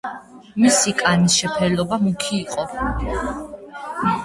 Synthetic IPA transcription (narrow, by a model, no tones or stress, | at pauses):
misikʼanisʃɛpʰɛlɔbamukʰiːqʼɔ